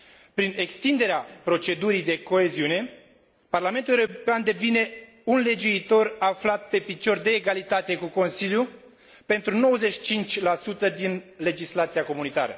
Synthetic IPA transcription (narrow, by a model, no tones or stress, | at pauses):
pɾine̞kst̪ind̪e̞ɾeapɾo̞t͡ʃe̞d̪uɾijd̪e̞ko̞eziune̞ | parlament̪uleeoopeand̪e̞vine̞ | unle̞d͡ʒuit̪o̞raflat̪̚pe̞pit͡ʃo̞rd̪e̞ːɡalit̪at̪e̞kuko̞nsilju | pe̞nt̪ɾuno̞wəzeʃi̥t͡ʃint͡ʃʲlasut̪əd̪inle̞d͡ʒislat̪siako̞munit̪a̰ɾə̰